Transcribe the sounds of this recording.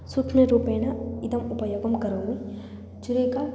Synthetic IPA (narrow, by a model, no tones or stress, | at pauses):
sukʂmeɾuːpeːnɐid̪ɐmupɐjoːɡɐmkɐɾɐːi | d͡ʒiɾiːka